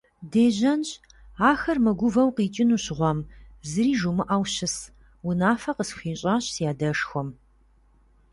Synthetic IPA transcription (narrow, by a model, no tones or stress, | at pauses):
deːʑɐnɕʼ | aːxɐrmɨɡʷʊvɐwqiːt͡ʃʼɪnuːɕɪʁʷɔmzɨɾiːʒumɨʔɐwɕɪs | wʊnaːfɐqəsxiːɕʼaːɕsjaːdɐʂxʷɔm